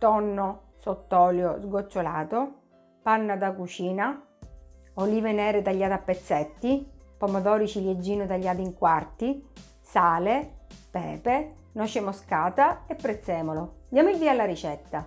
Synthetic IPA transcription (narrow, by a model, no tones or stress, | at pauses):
t̪ɔnːo | sot̪ːɔːljozɡot͡ʃːolaːt̪o | panːad̪akut͡ʃiːna | oliːvenɛːɾet̪aʎːaːt̪apːet̪sːɛt̪ːipomod̪ɔːɾit͡ʃiljed͡ʒːiːnʊt̪aʎːaːt̪iŋkwart̪i | saːlepɛːpe | nɔt͡ʃemoskaːt̪aepːɾet̪sːɛːmolod̪jaːmoild̪iːalːaɾit͡ʃɛt̪ːa